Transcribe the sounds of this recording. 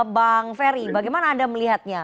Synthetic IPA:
baŋfeɾibaɡajmanaːdaməliɦat̪̚ɲa

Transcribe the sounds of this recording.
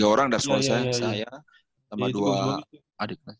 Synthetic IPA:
aoɾaŋdarsuasasaja | namadua | adək̚la

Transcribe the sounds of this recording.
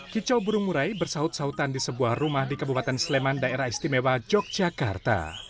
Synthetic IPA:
kit͡ʃɔbuɾuŋmuɾaibərsaʊt̪̚saut̪andisəbuahrumahdikəbupat̪ɛnslemandaʔeɾahist̪imewad͡ʒɔk̚d͡ʒakart̪a̰

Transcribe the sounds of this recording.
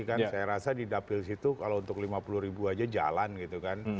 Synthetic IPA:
kansajaɾasadidapɪlsit̪ukalaount̪ʊklimapulʊhɾibuad͡ʒad͡ʒa̰lanɡit̪ukan

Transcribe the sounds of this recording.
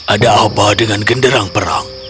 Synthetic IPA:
ʔadaʔaubawdəŋanɡəndəɾaŋpəɾa̰ŋ

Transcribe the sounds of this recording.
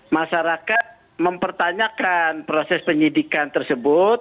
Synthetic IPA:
maʃaɾakat̪̚ | məmpərt̪aɲakanpɾosɛspəɲidikant̪ərsəbʊt̪̚

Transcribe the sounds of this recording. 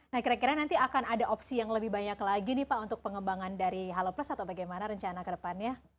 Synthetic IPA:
nahkiɾakiɾanant̪iakanadaʔɔpsijaŋləbɪhbaɲaklaɡinipaunt̪ʊk̚pəŋəmbaŋandaɾiɦalopləsat̪awbaɡajmanaɾəɲt͡ʃanakədəpanjɲa

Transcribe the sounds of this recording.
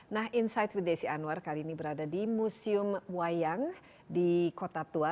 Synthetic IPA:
naɦinsajt̪̚wit̪̚desianuarkaliːnibəɾadadimusiʊmwajaŋ | dikot̪at̪ua

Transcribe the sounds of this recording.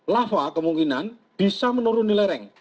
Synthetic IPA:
lafakəmuŋkinanb̥i̤samənuɾunileɾɛŋ

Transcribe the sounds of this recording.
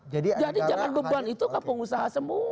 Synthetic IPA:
d͡ʒadid͡ʒadid͡ʒaŋanbəbuanit̪ukampʊŋusaɦasəmu

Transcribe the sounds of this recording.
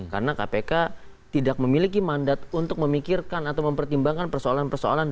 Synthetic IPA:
ka̰rnakapeka | t̪idak̚məmilik̬imandat̪̚unt̪ʊk̚məmikirkanat̪awməmpərt̪imbaŋkanpərsoalanpərsoa̰lan

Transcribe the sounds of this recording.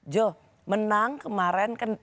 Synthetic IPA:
d͡ʒo | mənaŋkəmaɾɛnkan

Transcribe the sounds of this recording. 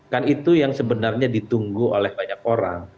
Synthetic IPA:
kanit̪ujaŋsəbənarɲadit̪uŋɡuo̰lɛhbaɲak̚oɾa̰ŋ

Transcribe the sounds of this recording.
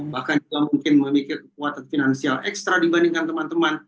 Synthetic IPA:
bahkand͡ʒuɡamuŋkɪnməmikɪrkək̚uat̪anfinansialʔɛ̰kst̪ɾadibandɪŋkant̪əmant̪əman

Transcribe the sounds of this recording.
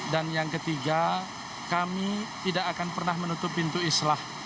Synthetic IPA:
danjaŋkət̪iɡa | kamit̪idakakanpərnahmənut̪ʊpːint̪uislah

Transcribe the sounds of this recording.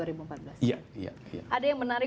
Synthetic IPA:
uaɾibuəmpat̪̚bəlasjaja̰ja̰ʔadajaŋmənaɾɪ

